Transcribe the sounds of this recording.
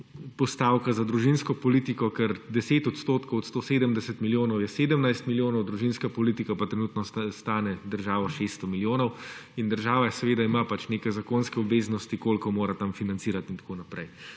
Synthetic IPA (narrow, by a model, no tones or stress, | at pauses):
pɔst̪aːwkazad̪ɾuʒinskɔpɔlit̪ikɔkɛɾd̪ɛseːt̪ɔt̪st̪oːt̪kɔwɔt̪st̪oːseːd̪əmd̪ɛsɛt̪miljoːnɔwjɛseːd̪əmnajst̪miljoːnɔwd̪ɾuʒinskapɔliːt̪ikapat̪ɾɛnuːt̪nɔst̪aːnɛd̪əɾʒaːʋɔʃest̪ɔmiljoːnɔwind̪əɾʒaːʋasɛʋeːd̪aimapat͡ʃnekɛjzakoːnskɛɔbʋeːznɔst̪ikoːlkɔmoːɾat̪amfinant̪siːɾat̪int̪ḁkoːnapɾɛj